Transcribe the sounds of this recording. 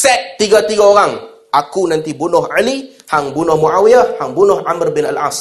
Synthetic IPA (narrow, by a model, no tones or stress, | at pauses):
sɛt̪̚ːiɡat̪iɡaoɾaŋ | ʔakunãnt̪ibunʊɦali | haŋbunʊhmuʔawiahaŋbunʊhʔamərbɪna̰la̰s